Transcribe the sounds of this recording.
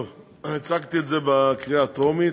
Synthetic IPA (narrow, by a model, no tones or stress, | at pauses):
ov | it͡saɡt̪ietzebekʁiaːt̪omi